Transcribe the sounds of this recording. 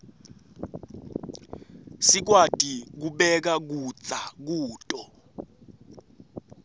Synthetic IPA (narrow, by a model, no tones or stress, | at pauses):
sik̬watʼik̬uɓɛk̬ak̬u̥t͡sʼak̬uːtʼɔ